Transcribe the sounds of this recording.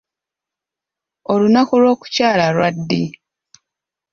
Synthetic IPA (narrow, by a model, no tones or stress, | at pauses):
olunakulwo̞ːku̥caːlalwadːi